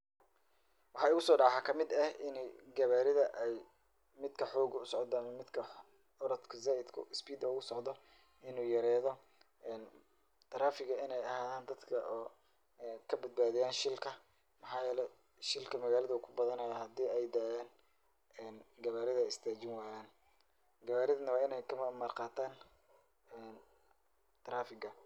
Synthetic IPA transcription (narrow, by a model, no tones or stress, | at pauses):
wɑħɑːʊɣʊsɔːɖɑʕħaːkʰɐmɪd̪ɐhɪnɛjɡɐβaːɾɪðɐʔɛj | mɪd̪kʰɐħɔːɡʊsɔʕd̪aːnmɪd̪kʰɐ | ɔɾɐt̪kʰʊzaːʔɪd̪kʰʊ̰ɪspiːd̪ɐʊɣʊsɔʕd̪ɔ | ʔɪnuːjɐɾɛːðɔ | ɛːn | t̪ʰɐɾaːfɪɣɐɪnɛjɐhaːðaːnd̪ɐd̪kʰɐʔɔː | kʰɐbɐd̪̚baːðɪjaːnʃɪlkʰɐ | mɑħɑːjɛːlɛ | ʃɪlkʰɐmɐɣaːlɐðɐuːkʰʊbɐðɐnɐjɐhɐd̪iːɛjd̪aːjaːn | ɛːnɡɐβaːɾɪðɐɪst̪ʰaːt͡ʃɪnwaːjaːn | ɡɐβaːɾɪðɐnɐwɑːɪnɛjkʰɐmmarqɑːt̪ʰaːn | ɛːn | t̪ʰɾaːfɪɡɐ